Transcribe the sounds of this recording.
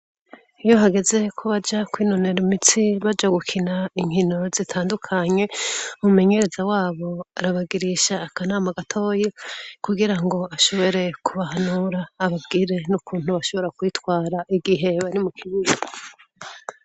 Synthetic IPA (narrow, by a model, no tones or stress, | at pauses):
ijo̞ɦaɡe̞ze̞kʰuβad͡ʒakwiːnoneɾimit͡siβad͡ʒaɡukʰinaiŋhino̞zitʰaːndukʰaɲe̞umume̞ɲe̞ɾe̞zawaːβo̞aɾaβaɡiɾiʃaːkanaːmaɡatʰo̞ːjekuɡiɾaŋɡo̞aʃo̞βo̞ɾe̞kuβahanuɾaːβabɡiːɾe̞nukuːnhuβaʃo̞βo̞ɾakwiːtkwaːɾaʔiɡiɦe̞βaɾimukʰiβia